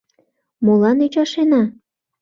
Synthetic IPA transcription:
molɑnyt͡ɕɑʃenɑ

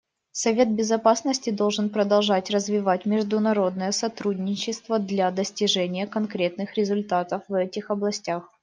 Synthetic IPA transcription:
sɐvʲe̞t̪̚bʲɪzɐpasnəsʲtʲɪd̪o̞lˠʐɨnpɾəd̪ɐlˠʐatʲrəzvʲɪvatʲmʲɪʐd̪ʊnɐɾo̞d̪nəjəsɐt̪ɾudʲnʲɪt͡ɕːɪst̪vəd̪lʲad̪əsʲtʲɪʐɛnʲɪjəkɐnkɾʲe̞t̪̚nɨxɾʲɪzʊlʲt̪at̪əfvɛtʲɪxɐblˠɐsʲtʲax

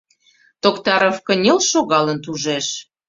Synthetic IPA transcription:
t̪okt̪ɑɾofkə̆nʲelʃoɣɑlə̆nt̪uʒeʃ

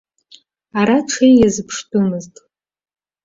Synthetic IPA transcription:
aɾaʈ͡ʂʷʰejjazɨpʰʂdʼumɨztʼ

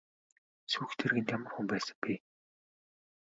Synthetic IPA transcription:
suːxt̪ʰerɣɘ̆nt̪jamə̆rxumpæːsə̆ŋpi

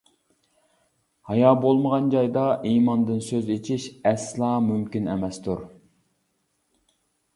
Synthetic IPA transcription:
hɑjɑːbolˠməʁɑnd͡ʒɑjd̪ɑʔiːmɑnd̪ɨnsøzet͡ʃʰiʃɛslˠɑːmymkʲinḛmɛst̪ʰuɾ

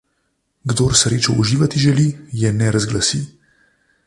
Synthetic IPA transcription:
ɡd̪oːɾsɾeːt͡ʃɔuʒiːʋat̪iʒɛlijɛnɛɾazɡlasi

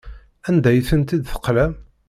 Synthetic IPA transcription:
ænd̪æjθənt̪id̪θə̥qːlæm

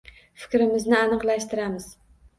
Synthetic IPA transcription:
fɪ̥kʲɾɪmɪznɪanɨqlˠaʃt̪ɪɾamɪz̥

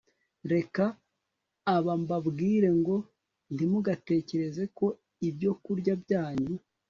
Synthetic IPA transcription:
ɾe̞kaː | βambabɡiːɾe̞ŋɡo̞ | n̥timuɡate̞ːce̞ɾe̞ze̞ko̞ | ibɟo̞kuɾɟabɟaːɲu

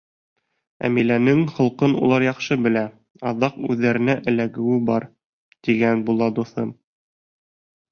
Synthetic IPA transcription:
æ̰milænɘŋχŏlˠqɤnṵlˠɑɾjɑqʃɤbɘ̆læ | ɑðɑqʉðːæɾɘ̆næʔɘ̆læɡɘ̆wɘbɑɾ | t̪iɡænbulˠɑd̪uθɤm

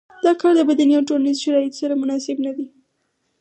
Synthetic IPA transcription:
d̪̥ɑkɑɾd̪əbad̪anijawʈolanizʃaɾɑjɪt̪o̥saɾamʊnɑsɪbnad̪i

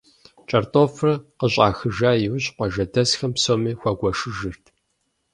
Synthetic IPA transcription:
t͡ʃʼɐrtʼoːfrɐqəɕʼaːxɨʒaːjɪwɕʼqʷɐʒɐdɐsxɐmpsoːmiːxʷɐɡʷɔʂɨʒɨrtʰ

